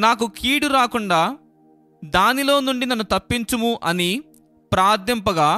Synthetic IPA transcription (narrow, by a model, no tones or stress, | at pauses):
naːkukʰiːɽuɾaːkuɳɖaː | d̪aːnilo̞ːnuɳɖinɐnːut̪ɐpːiɲt͡ʃumuʔɐni | pɾaːd̪jɐmpɐɡaː